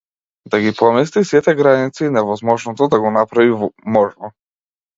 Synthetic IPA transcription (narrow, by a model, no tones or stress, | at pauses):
d̪aɡipɔmis̬t̪isit̪ɛɡɾanit̪siːnɛvɔzmɔʒnɔt̪ɔd̪aɡɔnapɾavivɔmɔʒnɔ